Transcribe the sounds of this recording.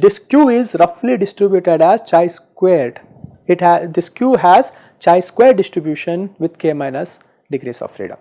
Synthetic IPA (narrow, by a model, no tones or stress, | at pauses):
d̪ɪskjuːɪzɾʌfliɖɪsʈɾɪbjuʈeɖæzt͡ʃaɪskweːɾʈ | ɪʈɦd̪ɪskjuːɦæz | t͡ʃaɪskweːɾʈɖɪsʈɾɪbjuːʃə̃nʋɪd̪̚keːmãɪnəs | ɖɪɡɾḭːsɔ̰ːʋfɾḭːɖə̰m